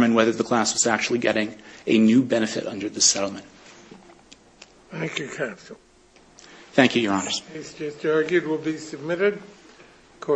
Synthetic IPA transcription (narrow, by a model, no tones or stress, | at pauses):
mɨ̃nwɛðə˞ðəkʰl̥æswʌzæk̚t͡ʃul̩ˠiɡɛɾɪ̃ŋɨnʉbɛnɨfɨ̰ɾʌ̃ndə˞ðɪsɛɾl̩ˠmɨ̃nt̚ | θæ̃ŋkjʉkʰæps̩ | θæ̃ŋkʰjʉjə˞ɑnə˞z̥esd͡ʒʌstɑɹɡjʉd̚wɪlˠbisɨb̚mɪɾɨd̚ | kʰɔ